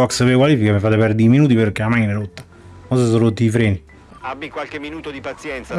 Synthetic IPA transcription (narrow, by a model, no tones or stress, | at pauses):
ɔksvekwaliːfikamifat̪epɛɾd̪iːminuːt̪̬iperkːeamajneɾot̪ːḁ | ɔsasorot̪ːifɾɛːni | abːikwalk̟emːinuːt̪od̪ipat̪sjɛnt̪sa